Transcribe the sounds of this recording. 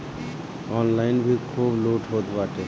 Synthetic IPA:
ɔːnlaːɪnbʱikʰuːbluːʈʰɦoːt̪baːʈe

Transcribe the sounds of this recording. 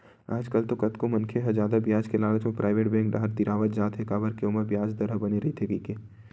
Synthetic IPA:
a̰ːd͡ʒkɐlt̪okɐt̪komɐ̃nkʰeɦɐzaːd̪abjaːd͡ʒkelaːɡət͡ʃmepɾʔaːɪʋeːʈbɛ̃ːŋk̚ɖaɦəɾt̪iɾaːʋət̪d͡ʒaːt̪ɦekaːbəɾkeʊməɾbjaːd͡ʒd̪ɐɾəbɐneɾɐɦit̪ʰekiːkeː

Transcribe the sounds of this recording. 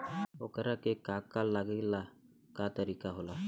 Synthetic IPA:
o̰kəɾakekːakalːaɡilːa | kat̪əɾikaɦola

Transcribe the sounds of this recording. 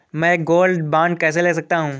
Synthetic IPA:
mɛ̃ɡoːlɖbãːɳɖ̚kɛːs̬eleːs̬ɐk̚t̪aɦũː

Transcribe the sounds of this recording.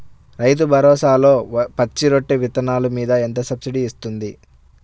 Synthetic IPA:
ɾɐjt̪̬ubʱɐɾɔːsaːlo̞ːpɐt͡ʃːiɾoʈːeʋit̪ɐnaːlumiːd̪ɐent̪ɐsɐbsiɖiːst̪und̪i

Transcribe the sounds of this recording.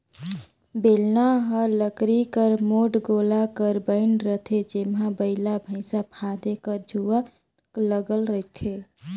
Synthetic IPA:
belnaɦəɾləkɾikəɾmoʈɡolakəɾbəɪnɾət̪ʰed͡ʒemɦãbəɪlabʱəɪsapʰad̪ekəɾd͡ʒʱua | kləɡəlɾəɪt̪ʰe

